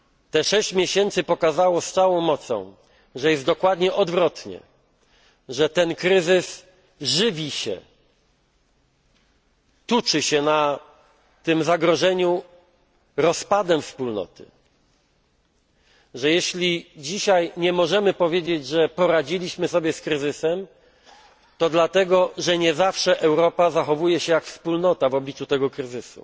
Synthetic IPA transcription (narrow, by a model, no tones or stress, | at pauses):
t̪ɛʂɛɕt͡ɕmʲjeɕɛnt̪sɘpɔkazawɔst̪sawɔ̃w̃mɔt̪sɔ̰̃w̃ | ʐɛjɛst̪d̪ɔkwad̪ɲɛʔɔd̪vɾɔt̪ɲɛ̰ | ʐɛt̪ɛnkɾɘzɘs | ʐɘvʲiɕɛ̰ | t̪ut͡ʂɘɕɛna | t̪ɘmzaɡɾɔʐɛɲu | ɾɔspad̪ɛfspulnɔ̰t̪ɘ̰ | ʐɛjeɕlʲid͡ʑiɕajɲɛmɔʐɛmɘpɔvʲjed͡ʑed͡ʑʐɛpɔɾad͡ʑilʲiɕmɘsɔbʲjɛskɾɘzɘsɛm | t̪ɔd̪lat̪ɛɡɔʐɛɲɛzafʂɛʔɛwɾɔpazaxɔvujɛɕɛjakfspulnɔt̪avɔblʲit͡ʂut̪ɛɡɔkɾɘzɘsṵ